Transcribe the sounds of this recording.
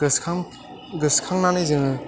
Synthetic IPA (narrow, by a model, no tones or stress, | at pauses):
ɯsʰ | ɡɯskʰaŋnanɯjzɯŋɯ